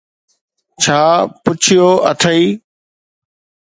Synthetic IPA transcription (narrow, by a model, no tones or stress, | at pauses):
t͡ɕʰaːpʊt͡ɕʰɪjoːəʈʰəiː